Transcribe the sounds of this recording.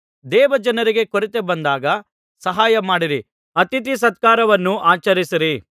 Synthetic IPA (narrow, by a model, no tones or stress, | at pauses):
d̪ɛːʋɐd͡ʒɐnɐɾiɡe̞koɾit̪ebɐnd̪aːɡɐ | sɐɦaːjɐmaːɽiɾi | ɐt̪it̪is̬ɐt̪̚kaːɾɐʋɐnːuʔaːt͡ʃɐɾisiɾi